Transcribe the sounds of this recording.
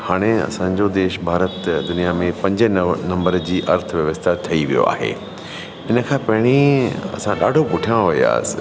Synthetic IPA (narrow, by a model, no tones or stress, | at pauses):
haːɽ̃eɐ̰sãɲd͡ʑod̪eːʃbʱaːɾət̪d̪ʊnijamẽpɐ̃ɲd͡ʑənɐ̃mbəɾd͡ʑiːʔɐɾt̪ʰʋjɐʋəst̪ʰat̪ʰɐiʋijo̰a̰ːɦḛː | ɪnə̆kʰãːpɐɦɪɽ̃iɐ̰sãɗaːɖʱopʊʈʰijãʋɐia̰ːsɪ̥